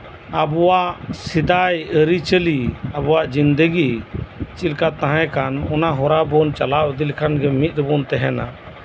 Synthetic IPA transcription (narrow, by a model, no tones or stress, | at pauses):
abɔwaʔsid̪ajəɾit͡ʃəliabɔwaʔd͡ʒind̪əɡit͡ʃilkat̪aɦãkanɔnaɦɔɾabɔnt͡ʃalaʔd̪ilkʰanɡɛmit̪̚ˀɾəbɔnt̪ɛɦɛna̰